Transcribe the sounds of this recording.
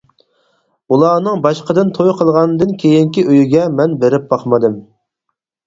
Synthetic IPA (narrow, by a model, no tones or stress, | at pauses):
ulˠɑːnɨŋbɑʃqəd̪ɨnt̪ʰojqʰəlˠʁɑnd̪ɨnkʲʰejiŋkʲiʔøjyɡʲɛmɛnbeɾɪp̚b̥ɑχmɨd̪ɨm